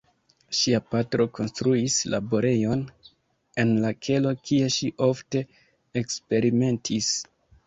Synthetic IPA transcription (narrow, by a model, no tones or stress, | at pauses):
ʃiapatɾo̞ko̞nstɾuisla̰bo̞ɾe̞jo̞n | e̞nlakʰe̞lo̞kʰie̞ʃiʔo̞fte̞ | ekspe̞ɾime̞ntʰis